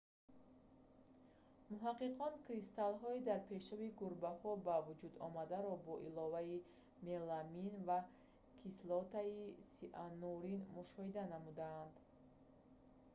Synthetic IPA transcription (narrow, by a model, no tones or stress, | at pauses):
muɦaqːiqʰɔnkʰɾist̪alɦɔid̪aɾpʰe̞ʃabiɡuɾbahɔbavud͡ʒud̪ɔmad̪aɾɔbɔʔilɔvai | me̞laminva | kʰislɔt̪aisiʔanuɾinmuʃɔhid̪anamud̪aːnd̪